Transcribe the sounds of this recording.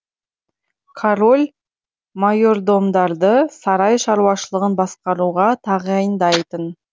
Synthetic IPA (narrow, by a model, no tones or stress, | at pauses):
kʰaɾo̞lʲ | majo̞ɾd̪o̞md̪ɑɾd̪əsɑɾɑjʃɑɾuwɑʃəlˠəʁənbɑsqɑɾuʁɑt̪ʰɑʁəɑjənd̪ɑjt̪ən